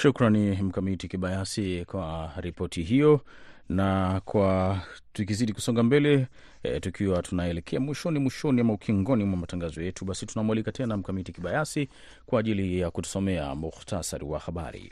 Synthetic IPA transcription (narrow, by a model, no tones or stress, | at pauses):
ʃukɾanim̩kamitikiɓajasikwaɾipɔtʰiɦijɔ | nakwatuk̬iziɗiku̥sɔŋɡambɛlɛ | tukʰiwatʰunaɛlɛkʰɛamwiʃɔnimwiʃɔniamaukʰiŋɡɔnimwamataŋɡazɔjɛtuɓasitunamuwalikatʰɛnam̩kamitikiɓajasi | kwaːʄilijakutu̥sɔmɛa̰muxtasa̰ɾḭwa̰xaɓa̰ɾḭ